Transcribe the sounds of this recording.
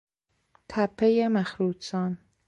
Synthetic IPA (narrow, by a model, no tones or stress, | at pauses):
t̪ʰæpʰːejemæxɾuːd̪sɒːn